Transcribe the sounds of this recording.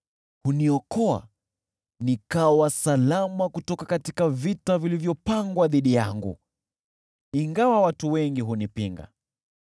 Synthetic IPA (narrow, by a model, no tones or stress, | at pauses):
huniɔkɔa̰ | nikawasalamakutɔkakatikavitavilivjɔpaŋɡwaðiɗijaŋɡṵ | iŋɡawawatuwɛŋɡiɦunipiŋɡa̰